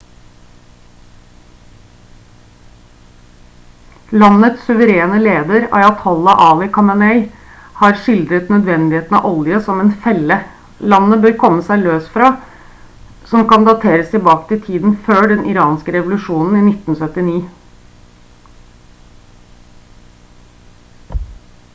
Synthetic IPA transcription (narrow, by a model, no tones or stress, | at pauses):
lɑnːət̪ssʉʋəɾeːnəleːd̪əɾɑ̰ɪɑt̪ʰɔlːɑʔɑːlɪkʰɑnɑnɛɪ | hɑɾʂɪld̪ɾət̪nœd̪ʋɛnd̪ɪheːt̪n̩ɑ̰ʔɔljəsɔmɛːnfɛlə | lɑnːəbøːɾkʰɔmːəsæɪløːsfɾɑː | sɔmkɑnd̪ɑt̪ʰeːɾəst̪ɪbɑːkt̪ʰɪt̪ʰiːd̪n̩føːɖɛnʔɪɾɑːnskəɾɛʋʊlʉʂuːnn̩iːnɪt̪n̩sœt̪ɪniː